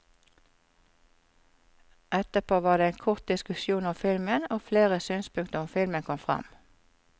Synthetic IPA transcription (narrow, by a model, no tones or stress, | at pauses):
ʔɛt̪əpʰoːʋɑːd̪eːeːnkʰʊʁt̪̚d̪ɪskʉsjuːnʊmfɪlmənoːfleːʁəsyːnspʉŋkt̪əʁʊmfɪlmənkʰɔmfʁɑ̰m